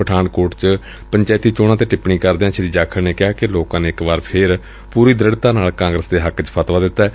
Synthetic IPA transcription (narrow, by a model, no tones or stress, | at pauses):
əʈʰaːnkoːɾʈt͡ʃ | pəɲt͡ʃaːt̪iːt͡ʃoːɽãːt̪eːʈɪpɳĩːkəɾd̪eãːt͡ʃəɾiːd͡ʒaːkʰəɽneːkɪaːkɪloːkãːneːɪkʋaːɾpʰɪɾ | puːɾiːd̪ɾəɽt̪ãːnaːlkãːŋɡɾəsd̪eːɦəkt͡ʃpʰət̪ʋaːd̪ɪt̪ːɛː